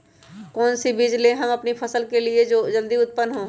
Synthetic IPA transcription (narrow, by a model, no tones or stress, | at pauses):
kɔːnsibid͡ʒlẽɦɐmɐpnipʰɐsəlkelied͡ʒod͡ʒəld̪iʊt̪̚pənːɦõ